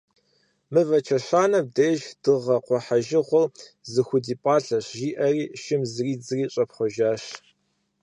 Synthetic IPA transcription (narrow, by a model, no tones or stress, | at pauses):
mɨvɐt͡ʃʰɐɕʷaːnɐb̚deːʒd̥ɨʁɐqʷɔħaʒɪʁʷɔlzɨxʷʊdiːpʼɑːɬɐɕʒiːʔɐriːʃɪmzɨriːd͡zɨriːɕʼɐpχʷɔʒaːɕ